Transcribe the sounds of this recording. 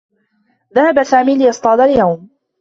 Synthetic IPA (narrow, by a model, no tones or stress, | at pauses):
ðahabasaːmiːlɪjɑsˤt̪ˤɑːd̪aljawm